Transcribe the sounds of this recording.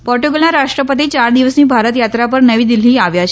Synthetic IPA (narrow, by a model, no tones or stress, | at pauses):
pɔɾʈuɡəlãɾaʂʈɾəpət̪iːt͡ɕaɾd̪iʋəsniːbʱaɾət̪jat̪ɾapəɾnəʋiːd̪iliːaʋjat͡ʃʰ